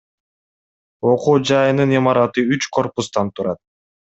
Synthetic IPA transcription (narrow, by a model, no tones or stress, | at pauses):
o̞quːd͡ʒɑjɯnɯnimɑɾɑt̪ɯyt͡ʃkʰo̞ɾpust̪ɑnt̪ʰuɾɑt̪̚